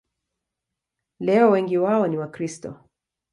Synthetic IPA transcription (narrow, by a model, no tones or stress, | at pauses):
lɛɔwɛŋɡiwaɔniwakɾistɔ̰